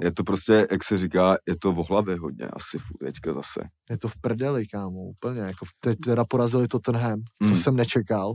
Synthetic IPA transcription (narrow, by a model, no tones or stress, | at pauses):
jɛt̪opɾoscʲɛjaksɛrikaːjɛt̪ovoɦlavjɛɦod̪ɲɛ̰ʔa̰sɪfut̪ɛckazasɛ̰ | jɛt̪ofpr̩dɛlɪkaːmuʔupl̩ɲɛjakot̪ɛc̚t̪ɛɾapoɾazɪlɪt̪ot̪ɛnɦɛmt͡sosɛmnɛt͡ʃɛkal